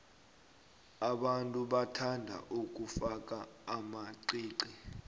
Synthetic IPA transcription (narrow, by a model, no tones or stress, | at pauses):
aɓantʼuɓatʰandʱa̰ʔuk̬ʼufak̬ʼaːmaiːǀi